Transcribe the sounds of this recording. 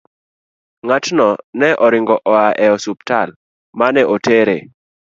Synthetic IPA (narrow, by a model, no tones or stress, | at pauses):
ŋatnɔnɛʔɔɾɪŋɡɔʔɔaʔɛɔsuptal | manɛʔoteɾe